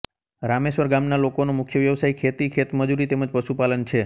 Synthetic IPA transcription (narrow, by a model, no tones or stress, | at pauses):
ɾameʃʋəɾɡamnalokonomʊkʰjəʋjəʋsaikʰet̪ikʰet̪məd͡ʒuɾit̪eməd͡ʒpəʃupalənt͡ʃʰe